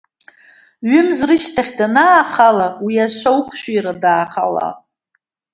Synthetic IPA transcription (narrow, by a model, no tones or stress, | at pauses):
ɥʏmzrɨʃtʰaχʲdanaːχalawiaʃʷawkʷʰʃʷᶣijradaːχa̰la̰